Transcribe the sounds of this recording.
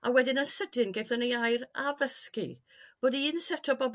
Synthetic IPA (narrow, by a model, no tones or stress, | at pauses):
a̰wɛdɪnənsədɪnɡejθənejajɾavəskɨ̰ | b̥oːdinsɛtʰɔbɔb